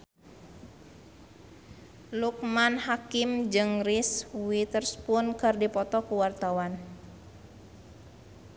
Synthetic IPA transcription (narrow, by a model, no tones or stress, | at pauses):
luk̚manhakimd͡ʒɨŋriswit̪ərspunkɨrdipɔt̪ɔkuwart̪awan